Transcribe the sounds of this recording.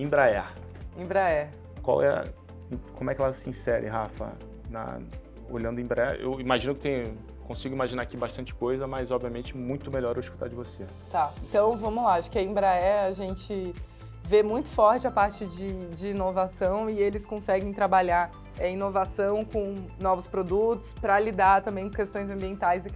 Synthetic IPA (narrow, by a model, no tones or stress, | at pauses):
ĩbɾaɛ | ĩbɾaɛ | kwa̰wɛ̰̃ | kõmʊɛkɪɛlɐsɪiĩsɛɾɪ̰ɦafɐ̰ | nɐ̰ | o̰ʎɐ̃d̪ʊĩbɾaɛḛwimaʒĩnʊkɪt̪ẽj̃ | kõsiɡʊimaʒinaɾakibaʃt̪ɐ̃nt͡ʃɪ̥kojzɐmɐjzɔbviɐmẽnt͡ʃɪmũj̃t̪ʊmeʎɔɾɛwisku̥t̪a̰ɾd͡ʒɪvose | t̪aẽt̪ɐ̃w̃vɐ̃mʊlaaʃʊ̥kɪɐĩbɾaɛaʒẽnt͡ʃɪ | vemũj̃t̪ʊ̥fɔɾt͡ʃɪɐpaɾt͡ʃɪd͡ʒɪd͡ʒɪinovasɐ̃w̃ɪelɪskõsɛɡẽj̃t̪ɾabaʎaɾ | ɛinovasɐ̃w̃kõnɔvʊspɾod̪ut̪ʊ̥spɾɐlid̪aɾt̪ɐ̃mbẽj̃kõkest̪õj̃zɐ̃mbiẽnt̪ajzɪ